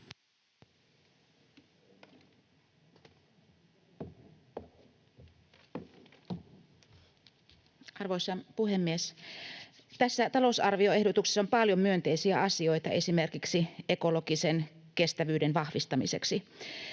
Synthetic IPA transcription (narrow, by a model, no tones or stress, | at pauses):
ɑrʋojsɑpuhemːies | t̪æsːæt̪ɑlo̞sɑrʋio̞e̞hdot̪ukse̥sːompɑljomyø̞nt̪e̞jsiæɑsio̞jt̪ɑʔe̞sime̞rkiksieko̞lo̞ɡisenke̞st̪æʋyːdenʋɑxʋist̪ɑmḭse̞̰ksi